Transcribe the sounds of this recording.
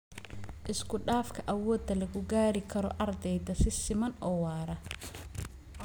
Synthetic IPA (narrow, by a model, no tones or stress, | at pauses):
ʔɪskʰʊɖaːfkʰɐʔɐwɔːd̪ɐlɐɣʊɡaːɾɪkʰɐɾɔʔɐrd̪ɛjd̪ɐsɪsɪmɐnɔːwɑːɾɐ